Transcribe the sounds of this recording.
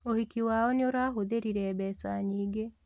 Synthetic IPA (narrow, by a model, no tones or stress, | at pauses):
ohikiwaːɔneoɾaːɦoðeɾiɾɛːbɛsaɲiːɡe